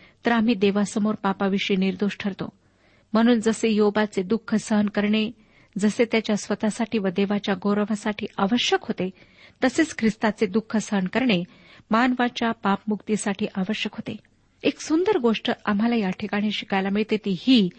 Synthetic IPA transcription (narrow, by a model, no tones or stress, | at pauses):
t̪əɾam̤iːd̪eʋasəmoɾpapaʋiʂiːniɾd̪oɕʈʰəɾt̪o̰ | m̤əɽ̃uːnd͡zəsejɦoʋat͡sed̪ukʰːəsəɦənkəɾɳe | d͡zəset̪jat͡ɕjasʋət̪asaʈiːʋəd̪eʋat͡ɕjaɡowɾəʋ̤asaʈʰiːʔaʋəɕjəkɦot̪e | t̪əset͡skʰɾist̪at͡sed̪ukʰːəsəɦənkəɾɳe | manʋat͡ɕjapapmukt̪isaʈʰiːʔaʋəɕjəkɦot̪ḛ | eksund̪əɾɡoʂʈəam̤alajaʈʰikaɽ̃iɕi̥kajlamiɭt̪et̪iːhiː